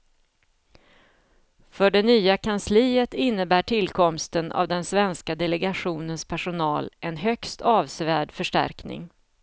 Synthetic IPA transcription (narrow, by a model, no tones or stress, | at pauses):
fœɖɛnyːakʰansliːət̪ɪnːəbæːʈʰɪlkʰɔmst̪əna̰vd̪ɛnsvɛnskad̪ɛlɛɡaɧuːnənspʰæʂʊnɑːlɛnɦœkst̪ʰɑːvsvæːɖfœʂʈæ̰ɾknɪ̰ŋ